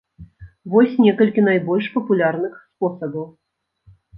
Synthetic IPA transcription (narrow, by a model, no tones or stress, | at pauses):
vɔsʲnʲɛkɐlʲkʲinajbɔlʲʂpɐpulʲarnɨxspɔsɐbɐw